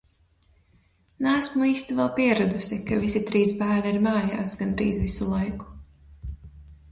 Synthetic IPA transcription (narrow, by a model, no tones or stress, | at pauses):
naːsmuiːst̪ivɛlˠpiɛɾad̪usikavisit̪ɾiːsbæːɾaiɾmaːjaːsɡand̪ɾḭːzvisulˠajku̥